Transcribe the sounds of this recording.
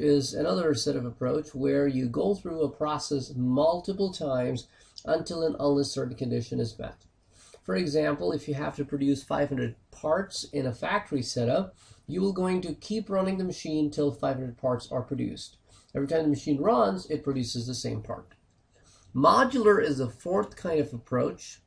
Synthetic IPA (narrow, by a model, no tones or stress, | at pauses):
ɪzɨnʌðə˞sɛɾʌvəpʰɹ̥oʊt͡ʃwə˞jɨɡoʊθɹuəpʰɹ̥ɑsɛsmʌlˠtəpl̩ˠtʰãɪ̃mz | ʔə̃ntʰɪlˠə̃nʌ̃nləsɜ˞ʔn̩kɨ̃ndɪʃɨ̃nɨzbɛ̰ | fə˞ɨɡzæ̃mpl̩ˠɨfjɨɦæftɨpʰɹ̥ɨdʉsfa̰ɪv̥hʌ̃ndɹɨd̚pʰɑɹtsɪ̃nɨfæk̚tʰə˞isɛɾəjɨwɪlˠɡoʊɪ̃ŋtɨkʰipɹʌnɪ̃ŋðɨmɨʃĩntʰɪlˠfaɪv̥hʌ̃ndɹəd̚pʰɑɹtsə̰˞pʰɹ̥ɨdʉ̰st | ɛvɹitʰãɪ̃mðɨmɨʃĩnɹʌ̃nzɨt̚pʰɹ̥ɨdʉsɨzðɨsẽɪ̃mpʰɑ̰ɹt̚ | mɑd͡ʒl̩ˠə˞ɪzðəfɔɹθkʰãɪ̃ndʌvəpʰɹ̥oʊt͡ʃ